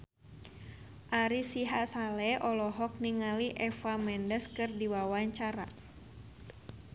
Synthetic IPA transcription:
ʔaɾisiɦasalɛʔɔlɔɦɔk̚niŋaliʔɛfamɛndəskɨrdiwawaɲt͡ʃaɾa̰

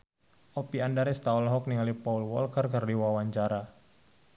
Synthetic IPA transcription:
ʔopiandaɾɛst̪aɔlɦɔk̚niŋalipaulwɔ̰lkərkərdiwawaɲt͡ʃaɾa

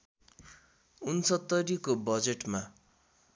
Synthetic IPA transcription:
unsʌt̪ːʌɾikobʌd͡zeʈma

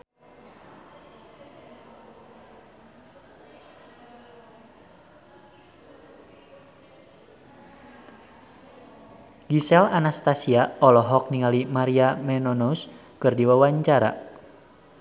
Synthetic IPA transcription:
ɡisɛlanast̪asiaɔlɔɦɔk̚niŋalimaɾiamɛnɔnos | kɨrdiwawaɲt͡ʃaɾa̰

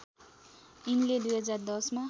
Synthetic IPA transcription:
inled̪ujɦʌd͡zard̪ʌsma

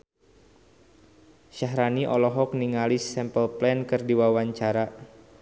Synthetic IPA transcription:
ʃaɦɾaniʔɔlɔɦɔk̚niŋalisɛmpəlplɛnkɨrdiwawaɲt͡ʃaɾa

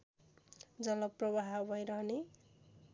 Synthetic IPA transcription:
d͡zʌlʌprʌbaɦbʌjɾʌne

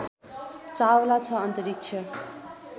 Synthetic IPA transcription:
t͡sawlat͡sʰʌʌnt̪ʌɾik̚t͡sʰʌ

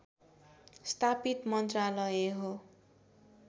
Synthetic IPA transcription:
st̪ʰapit̪mʌnt̪ralʌjeɦo

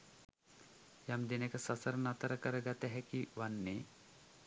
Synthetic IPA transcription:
jamd̪inekɐsɐsɐɾɐnɐt̪ɐɾɐkəɾɐɡat̪ɛɦɛkiʋanːe

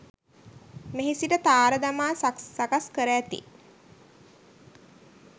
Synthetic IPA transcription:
meɦisiʈət̪aːɾəd̪amaːssakaskəɾəːt̪ḭ

